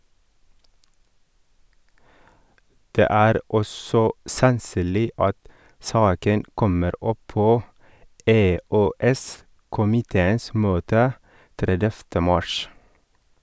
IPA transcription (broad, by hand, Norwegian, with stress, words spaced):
ˈdeː ˈæːɾ ˈɔsɔ sɑnˈsyːlɪ ˈɑt ˈsɑːkən ˈkɔməɾ ˈɔˌpoː eːøːˈɛs kʊmɪˈteːəns ˈmøːtə ˈtɾɛdɛftə ˈmɑʃ